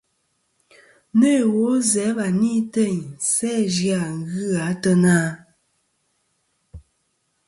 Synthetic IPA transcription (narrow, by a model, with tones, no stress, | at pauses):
ne˦˨wo˨˦zɛ˨˦βa˨niː˦te˦˨ɲsɛ˦d͡ʒja˨ŋ˦ɣɨ˦a˨˦tə˦naː˦